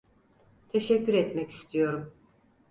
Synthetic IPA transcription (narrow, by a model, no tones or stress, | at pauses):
t̪ʰeʃɛcʰːyɾɛt̪mɛci̥st̪ʰijo̞ɾum